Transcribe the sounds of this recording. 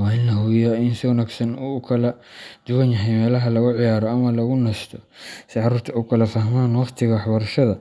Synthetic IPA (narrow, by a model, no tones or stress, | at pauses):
wɑɪnːɐɦʊjɐɪnsɪʊnaːɡsɐnuːkʰɐlɐ | d̪̥ʊwɐnjɐɦɛjmɛːlɐɦɐlɐɣʊʕɪjaːɾɔɐmɐlɐɣʊnɛst̪ʰɔ | sɪʕɑɾuːrt̪ʰɐʊkʰɐlɐfɐɦmaːnwɑχt̪ʰɪɣɐwɑħbɐɾʃɐðɐ